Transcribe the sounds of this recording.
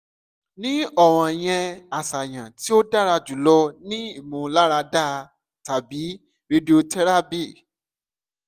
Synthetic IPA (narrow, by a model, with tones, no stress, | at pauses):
nĩ˨˦ɔ˦˨w̃ɔ̃˧˨j̃ɛ̃˧a˨sa˨j̃ã˨ti˦o˦da˦˨ɾa˧d͡ʒu˨˦lɔ˧nĩ˦i˦˨mũ˨la˦ɾa˧da˦˨ | ta˨bi˨˦ | ɾe˧do˧tɛ˦ɾa˦bi˦˨